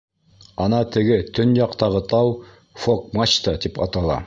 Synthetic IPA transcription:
ɑnɑt̪ɘ̆ɡɘt̪ɵnjɑqt̪ɑʁɤt̪ɑw | fok̚mat͡ɕt̪ɑt̪ipɑt̪ɑlˠɑ̰

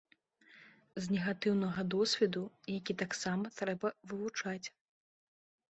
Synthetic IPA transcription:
znʲɛɣat̪ɨwnɐɣɐd̪ɔsʲvʲɛd̪ujakʲit̪aksamɐt̪ɾɛbɐvɨvut͡ʂat͡sʲ

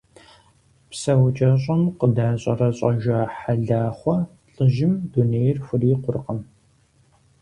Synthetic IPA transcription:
psɐwt͡ʃʼɐɕʼɐmqədaːɕʼɐrɐɕʼɐʒɐħaɮaːχʷɔ | ɬʼɨʒɪmduneːjrxʷʊriːqʷʊrqəm

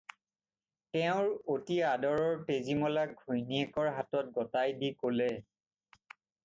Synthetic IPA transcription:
tɛʊ̃ɹotiadɔɹɔɹpezimɔlaɡ̚ɡʱojniɛkɔɹɦatɔt̚ɡɔtajdikolɛ

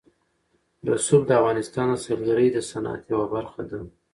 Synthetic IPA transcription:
d̪əsub̚d̪əavɣɑnɪst̪ɑnasalɡaɾəjd̪əsana̰t̪jawabaɾxad̪a

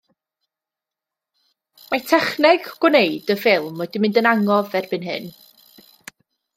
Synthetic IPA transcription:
matʰɛχnɛɡɡ̥wneɨdəfɪlˠmɔdimɪndənaŋɔvɛrbɨnɦɨ̰n

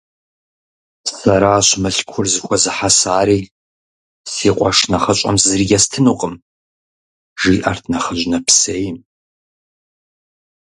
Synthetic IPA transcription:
sɐɾaːɕmɨɬkʷʰʊrzɨxʷɔzɨħasaːɾiː | siːqʷʼɔʂnɐχɐɕʷʼɐ̰mzɨriɡʲɐstʰɨnuːqʼəm | ʒiːʔartʰnɐχɐʑnɐpʰseːjɪm

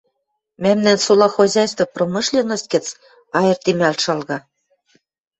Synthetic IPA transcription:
mæmnænsulɑxozʲɑjst̪vŏprɤ̆mɤ̆ʃlʲenɤ̆st̪̚kɘ̆t͡s | ɑjɤ̆rt̪imælʲʃɑlɣɑ

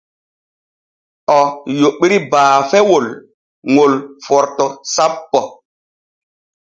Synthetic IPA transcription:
ʔɔjoɓiɾibaːfɛwol | ŋolfɔɾtɔsapːɔ

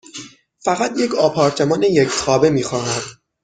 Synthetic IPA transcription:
fæɣæt̪ʰje̞cʰɒːpʰɒːɾt̪ʰe̞mɒːnejecʰt̪ʰɒːbe̞miːxɒːhæd̪̥

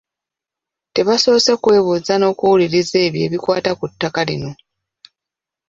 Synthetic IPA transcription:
te̞βaso̞ːse̞kwe̞ːβuːzano̞ːkuwuliɾize̞ːβje̞̰ːβikwaːtakutːakalḭno̞

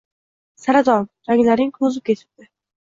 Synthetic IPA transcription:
saɾad̪ɒnd͡ʒaŋlaɾnɪŋkʰɵzɪp̚kʲʰe̞t̪ʰɪ̥p̚d̪̥ɪ

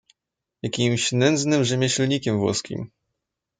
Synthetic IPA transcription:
jakʲimɕnɛnd̪znɘmʐɛmʲaɕlɲikʲɛmvwɔ̰skʲḭm

